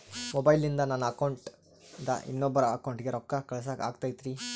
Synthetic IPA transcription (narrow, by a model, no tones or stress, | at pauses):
mobɐjlind̪ɐnaːnuɐkɐwɳʈ | d̪ɐ̰ʔḭnːɔbːɐɾɐɐkɐwɳʈɡe̞ɾɔkːakɐɭɐs̬aa̰ːɡt̪aːjd̪iɾi